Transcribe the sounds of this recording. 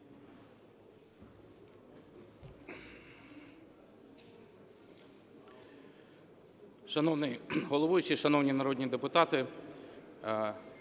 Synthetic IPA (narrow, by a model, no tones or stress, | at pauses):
ʃɐnɔwnɪjɦɔlˠɔʋujʊt͡ʃɪʃɐnɔwnʲinɐɾɔd̪ʲnʲid̪epʊt̪ɑt̪ɪ